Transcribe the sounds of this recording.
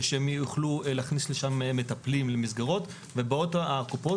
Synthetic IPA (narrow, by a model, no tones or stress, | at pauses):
ʃeemjuχluleːχnisleʃammːe̞tɐplimlemizɡaʁo̞t | vebeo̞t̪aakupo̞